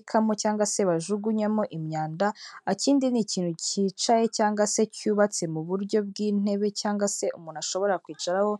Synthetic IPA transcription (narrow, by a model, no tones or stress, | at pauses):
kʰamocaːŋɡwase̞βaʒuɡuɲamoʔimɲaːndaːciːndiniciːn̥huciːt͡ʃaje̞caːŋɡwase̞cuːβat͡se̞muβuɾɟo̞b̚ɡiːn̥e̞βe̞caːŋɡase̞ʔumuːnaʃo̞βo̞ɾakwiːt͡ʃaɾaho̞